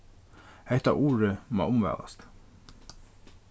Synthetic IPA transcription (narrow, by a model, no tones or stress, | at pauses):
hɛht̪a̰ʔuːɹəma̰ːʔʊmʋɛ̰ːða̰st̪